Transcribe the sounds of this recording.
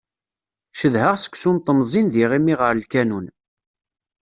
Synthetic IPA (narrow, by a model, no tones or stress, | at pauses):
ʃəðhəʁsə̥kʷːsunt̪ˤːəmzˤinðiʁimiʁəɾlkænun